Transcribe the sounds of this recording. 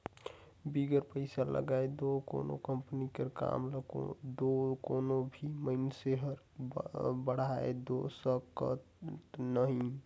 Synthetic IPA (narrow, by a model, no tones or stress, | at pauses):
biɡəɾpəɪsalə̰ɡaed̪oko̰no̰kəmpənikəɾka̰mlo̰d̪okonobʱiməɪnseɦəɾ | bəɽ̤aḛd̪osəkə̰t̪ | nəɦĩ